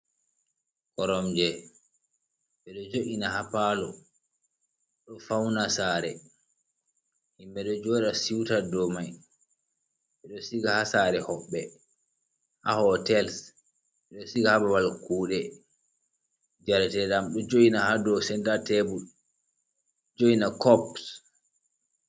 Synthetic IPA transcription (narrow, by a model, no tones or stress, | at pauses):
kɔɾɔmd͡ʒɛ | ɓɛɗɔd͡ʒoʔinahapalɔ̰ | ɗɔfawnasaːɾɛ̰ | himɓɛɗɔd͡ʒɔɗasiwtadɔmaj | ɓɛɗɔsiɡahasaɾɛhɔɓːɛ | ha̰hɔtɛls | ɓɛɗɔsiɡahabawalkuːɗɛ | d͡ʒaɾtɛɗamɗɔd͡ʒoʔinahadɔsɛndatɛbu | d͡ʒoinakɔp